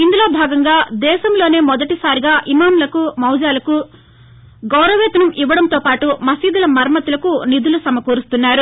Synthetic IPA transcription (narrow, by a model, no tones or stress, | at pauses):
ind̪ulo̞ːbʱaːɡɐŋɡaːd̪ɛːʃɐmlo̞ːne̞ːmɔd̪ɐʈisaːɾiɡaːʔimaːmlɐkumɐwd͡ʒaːlɐku | ɡɐwɾɐʋɛːt̪ɐnɐmʔiʋːɐɽɐnt̪oːpaːʈumɐsiːd̪ulɐmɐɾɐmɐt̪ulɐkunid̪ulusɐmɐkuːɾust̪unːaːɾu